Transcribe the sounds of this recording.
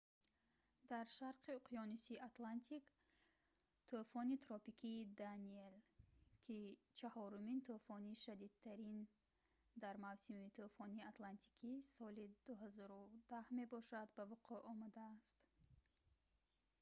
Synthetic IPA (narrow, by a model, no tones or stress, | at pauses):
d̪aɾʃaɾqiuqʰijɔnusiat̪lant̪ʰik | t̪ʰofɔnit̪ɾɔpikʰiːd̪anielkʰit͡ʃʰahɔɾumint̪ʰofɔniʃad̪id̪̚t̪ʰːaɾin | d̪aɾmavsimit̪ʰofɔniat̪lant̪ʰi̥kʰisɔlid̪uɦazɔɾud̪ahme̞bɔʃad̪bavuqʰuʔɔmad̪aːst̪